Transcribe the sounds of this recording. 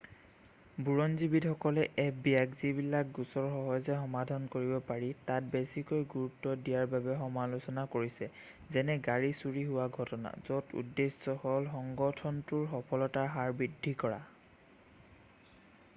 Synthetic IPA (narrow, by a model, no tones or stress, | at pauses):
buɹɔnzibitxɔkɔlɛʔɛpbiakzibilak̚ɡusɔɹxɔɦɔjzɛxɔmadʱankoɹibɔpaɹitat̚besikɔjɡuɹutːɔdijaɹbabɛxɔmalusɔnakoɹisɛ | zɛnɛɡaɹisuɹiɦʊwaɡʱɔtɔna̰zɔtṵdːesɔxɔlxɔŋɡɔtʰɔntuɹxɔpʰɔlɔtaɦaɹbidʱikɔɹa̰